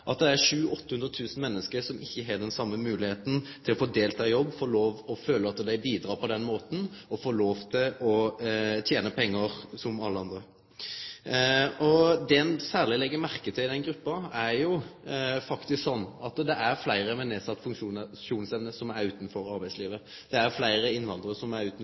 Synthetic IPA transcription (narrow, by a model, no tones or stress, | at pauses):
ʔɑt̪d̪ɛæɾʂʉːɔt̪ːəhʉnɾət̪ʰʉːsn̩mɛnːəskəɾsɔmʔɪçːəɦɑːd̪ɛnsɑmːəmʉːlɪheːt̪n̩t̪ʰɪlɔfoːd̪eːlt̪ʰɑːjɔbːfoːɭoːʋɔføːləɑt̪d̪æɪbiːd̪ɾɑːpʰɔd̪ɛnmoːt̪n̩ɔfoːɾɭoːʋt̪ʰɪlɔt̪ʰjeːnəpʰɛŋːəɾsɔmɑlːəɑnd̪ɾə | ʔɔd̪ɛɛnsæːʁlɪlɛɡːəmæɾkət̪ʰɪlɪd̪ɛnɡɾʉpːɑæɾjʊfɑkt̪ɪsksɔnːɑt̪d̪ɛʔæɾflæɪɾəmɛneːsɑt̪ːfʉŋkʂuːʃuːnsɛʋnəsɔmæɾʉːt̪n̩fɔɾɑɾbæɪsliːʋə | d̪̥ɛæɾflæɪɾəɪnʋɑnd̪əɾəsɔmæɾʉːt̪n̩